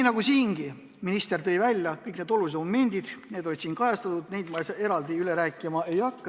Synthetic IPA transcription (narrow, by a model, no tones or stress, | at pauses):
iːnɑɡusiːŋɡ̥i | minist̪e̞rt̪ɤ̞jvælʲjɑkɯjkne̞d̪̥o̞lus̬eommend̪̥id̪̥ne̞d̪̥o̞lʲid̪̥siːŋkɑjɑst̪ɑt̪ːud̪̥ne̞jd̪mɑse̞ɾɑld̪iyleɾæːkːˑimɑʔe̞jɑkːɑ